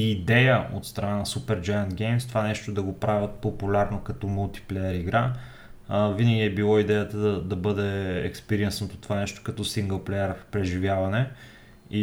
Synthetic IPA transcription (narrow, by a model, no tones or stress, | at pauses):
id̪ɛjəo̰t̪st̪ɾɐnanɐsupɛɾd͡ʒajənt̪ɡʲɛjmst̪ovanɛʃt̪od̪ɐɡopɾavʲət̪̚populʲaɾnokɐt̪ɔmulˠt̪i̥plɛjəɾiɡɾa | vinəɡʲiɛbilˠɔid̪ɛjət̪əd̪ɐd̪ɐbɤd̪ɛɛ̰kspɛɾiɛnsnot̪o̥t̪ovanɛʃt̪o̥kɐt̪ɔsiŋɡəlˠplɛjəɾpɾɛʒivʲjavɐnɛ | i